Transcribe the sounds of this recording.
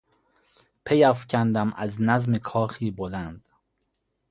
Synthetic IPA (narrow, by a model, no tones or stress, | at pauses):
pʰejæfcʰænd̪æmʔæznæzmekʰɒːxiːbolænd̪̥